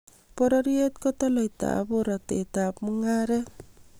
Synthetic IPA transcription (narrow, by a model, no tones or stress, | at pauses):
pɔɾɔɾiet̪̚kɔt̪ɔlʌjt̪a̰buɾʌt̪et̪apmɯŋaɾe